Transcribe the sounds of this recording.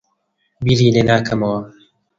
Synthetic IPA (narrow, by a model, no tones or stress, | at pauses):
biːɾiːleːnaːkʰɐmɐwɐ